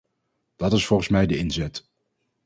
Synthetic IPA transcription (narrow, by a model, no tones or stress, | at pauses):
d̥ɑtɪsfɔlˠχənsmɛjdəɪnzɛt